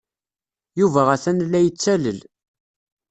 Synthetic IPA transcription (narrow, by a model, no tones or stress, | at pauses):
juvæʁæθænlːæjət͡sːæləl